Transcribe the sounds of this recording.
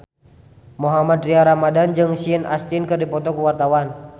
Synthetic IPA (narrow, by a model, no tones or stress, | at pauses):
mɔɦamad̪riaɾamadand͡ʒɨŋsiəna̰st̪inkɨrdipɔt̪ɔkuwart̪awan